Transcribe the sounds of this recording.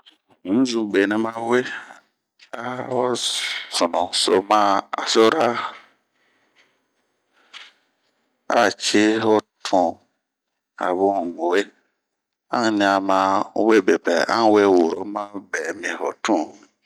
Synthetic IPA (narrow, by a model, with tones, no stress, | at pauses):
ŋ̩̃˦zu˨be˨nɛ̃˨mã˦we˦ | a˦hɔ˦su˨nɔ̃˨so˨mã˦a̰˨so˦ɾa˦ | a̰˦˨t͡ʃi˦ɦɔ˦tʰũ˨ | a̰˨βu˦˨ɡo˨e˦ | ã˦ŋ˦nĩ˨a˨mã˨˦we˦˨be˨pɛ̰˨ã̰˦ŋ˦we˦˨wo˨ɾo˦mã˦bɛ˨mĩ˨ɦɔ˨tʰũ˦